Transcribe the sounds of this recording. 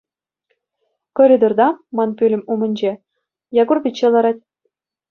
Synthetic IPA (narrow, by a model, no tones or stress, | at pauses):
kŏrʲid̪ord̪ɑmɑnpʲylʲɘ̆mumɘ̆nʲd͡ʑe | jɑɡurbʲit͡ɕːelˠɑɾɑtʲ